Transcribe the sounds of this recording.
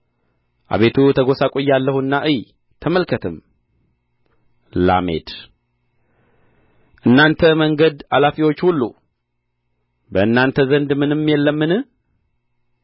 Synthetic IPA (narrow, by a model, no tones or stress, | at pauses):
ʔa̰βe̞t̪ʰut̪ʰəɡo̞sakʼojːalːəhuɨnːaʔɨj | t̪ʰəməlkʰət̪ʰɨm | la̰me̞̰d̪ | ʔɨnːant̪ʰəməŋɡəd̪alafiwo̞t͡ʃːhulːu | bəɨnːant̪ʰəzənd̪mɨnɨmːjɛlːəmːɨnɨ